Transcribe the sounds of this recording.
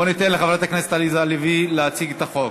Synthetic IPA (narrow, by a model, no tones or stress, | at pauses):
onit̪enleχavanat̪aknese̥t̪alizaːlivileat͡siɡet̪aχo̞